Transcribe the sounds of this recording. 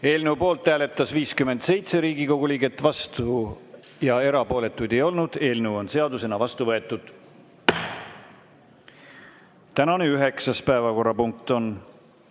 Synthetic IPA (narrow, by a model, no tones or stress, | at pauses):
e̞ːlneupo̞ːlt̪ːæːle̞t̪ːˑɑsviːskyme̞nd̪̥se̞jt̪se̞ɾiːɡiko̞ɡ̥uliːɡe̞t̪ːˑvɑst̪u | jɑe̞ɾɑpo̞ːle̞t̪ːˑujd̪̥e̞jo̞lnud̪̥e̞ːlnewo̞nse̞ɑd̪use̞nɑvɑst̪uvɤ̞e̞t̪ˑːud̪̥ | t̪ænɑneyɦe̞ksɑspæevɑko̞rːɑpuŋk̚t̪o̞n